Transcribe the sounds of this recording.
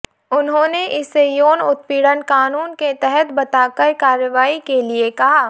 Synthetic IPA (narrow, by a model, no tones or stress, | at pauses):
ʊnɦõːneʔɪsːejoːnʊt̪̚piːɽənkaːnuːnket̪ɛɦɛt̪bɐt̪aːkəɾkaːɾjəʋaːikeliekɐɦaː